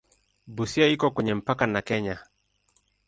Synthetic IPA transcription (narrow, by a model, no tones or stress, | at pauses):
busiaikɔkwɛɲɛm̩pakanakɛɲa